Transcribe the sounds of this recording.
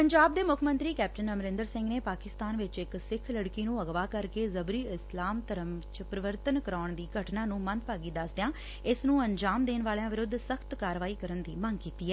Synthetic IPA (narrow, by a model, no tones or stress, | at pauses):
pəɲd͡ʒaːb̚d̪eːmʊkʰmə̃nt̪ɾiːkɛːp̚ʈənəmɾɪ̃nd̪əɾsɪ̃ŋɡneːpaːkɪst̪aːnʋɪt͡ʃɪksɪkʰləɽkiːnũːəɡʋaːkəɾkeːzəbɾiːɪslaːmt̪əɾəmt͡ʃpɾəʋəɾt̪ənkəɾaːɳd̪iːɡʱəʈnaːnũːmə̃nd̪̚paːɡiːd̪əsd̪ejãː | ɪsnũːəɲd͡ʒaːmd̪eːnʋaːljãːʋɪɾʊd̪səkʰt̪kaːɾʋaːiːkəɾənd̪iːməŋɡkiːt̪iːɦɛː